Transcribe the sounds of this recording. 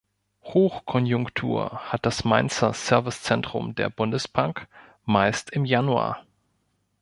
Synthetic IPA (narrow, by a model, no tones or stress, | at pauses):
hoːxkʰɔnjʊŋktʰṵːɐ̰hat̚d̥asmaɪnt͡sɐsɛɐvɪst͡sɛntʁ̥ʊ̰mdeːɐbʊndəsb̥aŋk | maɪstɪmjanua̰ː